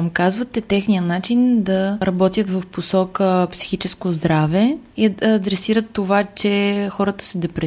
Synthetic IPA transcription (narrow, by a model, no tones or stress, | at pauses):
mkazvət̪ɛt̪ɛxnijənat͡ʃind̪ɐɾɐbɔt̪jət̪vɐfposɔkəpsi̥xit͡ʃɛskozd̪ɾavɛiːd̪ɾɛsiɾət̪ːovat͡ʃɛxɔɾət̪ə̥sɛd̪ɛpɾɛ